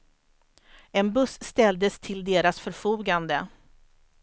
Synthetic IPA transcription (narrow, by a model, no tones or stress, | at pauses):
ɛnbɵsːt̪ɛld̪əst̪ʰɪld̪eːɾasfœɾfuːɡand̪ə